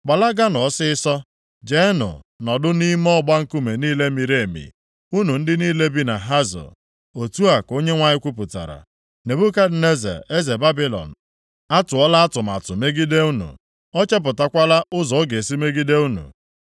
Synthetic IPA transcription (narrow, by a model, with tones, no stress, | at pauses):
k͡pa˨la˦ɡa˦nɔ˨˦sɪ˦ɪ˦sɔ˦ | d͡ʒe˦nʊ̰˨ | nɔ˨dʊ˦ni˦m˦ɔ˦ɡ͡ba˦ŋ̩˦ku˦me˨niː˦le˦mi˨ɾe˨e˨mḭ˨ | u˦nu˨n̩˦dɪ˦niː˦le˦bi˦na˨ɦa˦zɔ̰˨ | o˨tu˦a˨ko˦ɲe˦ŋʷa˨ɲɪ˦kʷu˦p̬ʊ˨ta̰˨ɾa̰˨ | ne˨bu˦ka˦dɪ˨ne˦zḛ˨e˦ze˨ba˦bi˦lɔ̰˨n̩˨ | a˦tʊ˨ɔ˦la˦a˦tʊ˨m˨a̰˨tʊ˨me˦ɡi˦de˦u˦nṵ˨ | ɔ˦t͡ʃe˦p̬ʊ˨ta˦kʷa˦la˦ʔʊ˦zɔ˨˦ɡe˨e˨si˦me˦ɡi˦de˦u˦nṵ˨